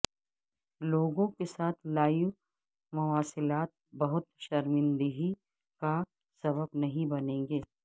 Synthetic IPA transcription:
loːɡõkesaːt̪ʰlaːju | mɐwaːsɪlaːt̪̚bɐɦʊt̪ʃɐɾmɪ̃nd̪əɦi | ka | sɐbəbnɐɦĩbɐnẽːŋɡeː

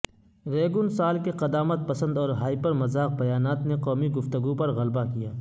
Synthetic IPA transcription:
ɾeːɡʊnsaːlkeqɐd̪aːmət̪̚pɐsə̃nd̪ɔːɾɦaːipɐɾmɐzaːq̚bɐjaːnaːt̪neqɔːmiɡʊft̪əɡupɐɾɣɐlbakijaː

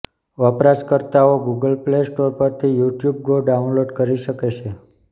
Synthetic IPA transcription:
ʋəpɾaskəɾt̪aoɡuɡəlplesʈoɾpəɾt̪ʰijuʈjub̚ɡoɖaũnloɖkəɾiʃəket͡ʃʰe

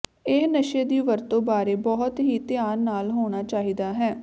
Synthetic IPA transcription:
ɪɦnəʃeːd̪iːʋəɾt̪õːbaːɾeːbɔːɦʊt̪ɦiːt̪ɪjaːɾnaːlɦoːɽ̃aːt͡ʃaːɦiːd̪aːɦɛː

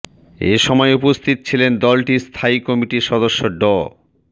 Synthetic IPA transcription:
eʃɔmɔeupost̪ʰit̪o̥t͡ɕʰilend̪ɔlʈist̪ʰaikɔmiʈiɾʃɔd̪oʃːoɖɔ

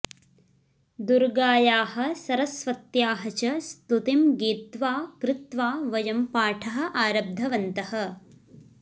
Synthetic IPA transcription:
d̪uɾɡaːjaːɦɐ̆sɐɾɐsʋɐt̪jaːɦɐt͡ʃɐst̪ut̪imɡiːt̪ʋaːkɾɪt̪ʋaːʋɐjɐmpaːʈʰɐɦɐ̆ʔaːɾɐb̚d̪ʱɐʋɐnt̪ɐhɐ̆

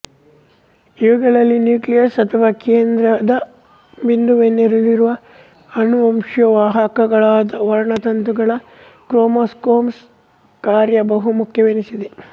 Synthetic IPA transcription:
iʋɐɡɐɭɐlːinjuːklijɐɾsɐt̪ʰɐʋaːkeːnd̪ɾɐd̪ɐ | bind̪uʋenːeɾuliɾuʋɐ | ɐnuɐmʂjɐʋaːɦɐkɐɡɐɭaːd̪ɐʋɐɾɐɳɐt̪ɐnt̪uɡɐɭɐ | kɾoːmoːskoːms | kaːɾjɐbɐɦumukʰjɐʋenisid̪e

